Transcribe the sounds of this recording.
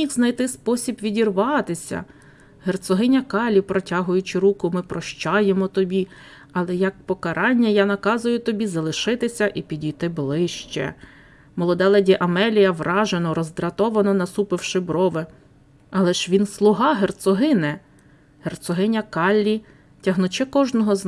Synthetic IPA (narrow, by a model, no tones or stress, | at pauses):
ixznɐjt̪ɪspɔsʲibʋʲidʲirʋɑt̪ɪsʲɐ̰ | ɦert̪sɔɦɪnʲɐkɑlʲːipɾɔtʲɑɦʊjʊt͡ʃɪɾukʊmɪpɾɔʃt͡ʃɑjemɔt̪ɔbʲi | ɐlˠɛjɐk̚pɔkɐɾʔɑnʲːɐjanɐkɑzʊjʊt̪ɔbʲizɐlˠɪʃɪt̪ɪsʲɐʔipʲidʲijt̪ɪblˠɪʃt͡ʃɛ̰ | mɔlˠɔd̪ɛlˠɛdʲiʔɐmɛlʲijɐʋrɑʒenɔɾɔzd̪ɾɐt̪ɔʋɐnɔnɐsupɪwʃɪbɾɔʋɪ | ɐlˠɛʒʋʲinslˠʊɦɑɦert̪sɔɦɪnɛ | hert̪sɔɦɪnʲɐkɑlʲːi | tʲɐɦnʊt͡ʃɛkɔʒnɔɦɔz